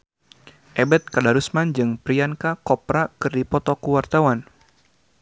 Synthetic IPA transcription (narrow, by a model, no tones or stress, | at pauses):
ʔɛbɛt̪̚kadaɾusmand͡ʒɨŋpɾiankakɔpɾakɨrdipɔt̪ɔkuwart̪awan